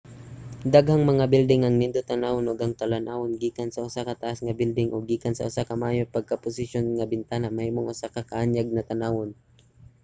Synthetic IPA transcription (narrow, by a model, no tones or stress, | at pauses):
d̪aɡhaŋmɐŋabɪld̪ɪŋʔɐŋnɪnd̪ot̪ɐnawonoɡɐŋt̪ɐlanʔawonɡiːkansɐʔʊsakɐt̪aʔasŋɐbɪld̪ɪŋʔoɡ̚ːiːkansɐ̰ʔʊsakɐmaːjopɐɡ̚kapʊsɪʃjonŋɐbɪnt̪aːnamɐhiːmoŋʔʊsakakɐʔanjaɡ̚nɐt̪ɐnaːwon